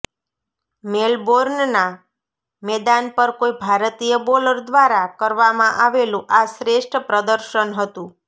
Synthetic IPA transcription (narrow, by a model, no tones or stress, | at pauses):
melboɾnna | mɛd̪anpəɾkoibʱaɾt̪ijəboləɾd̪ʋaɾakəɾʋamãʔaʋelũʔaʃɾeʃʈʰəpɾəd̪əɾʃənɦət̪ũ